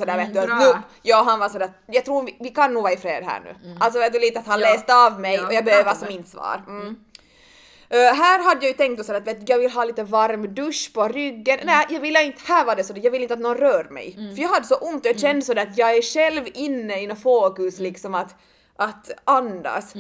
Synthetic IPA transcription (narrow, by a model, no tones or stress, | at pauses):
sɔd̪æːɾveːt̪d̪at̪nʉjɑːɦanvasɔd̪æːt̪jɑɡt̪ɾuːɾɪvɪkʰanːuːɡvɑːɪfɾeːd̪ɦæ̰ːɳʉ̰ːʔals̬ɔveːt̪d̪ʉliːt̪əat̪hanleːst̪əɑvmɛjɔjɑɡbɛhøːəasɔmːɪnt̪svɑ̰ːɾ̩ | ɦæːɾɦad̪ːəjɑjʉt̪ʰɛŋkt̪ːɔsɔd̪æɾat̪veːt̪jɑːɡvɪlːɦɑːliːt̪əvaɾmd̪ɵʂpʰɔɾʏɡːənnæjɑːɡvɪlːəɪnt̪ə̥hæːɾvaɖɛsɔd̪ɛjɑɡvɪlːɪnt̪at̪nɔnɾœːɾmɛ̰jfœɾjɑːɡɦad̪ːəsɔʔʊnt̪ɔjadɕɛnd̪əsɔd̪æːɾat̪jɑːɡæʂɛlvɪnːəinɔfoːkɵslɪksɔmat̪ | ʔat̪and̪a̰s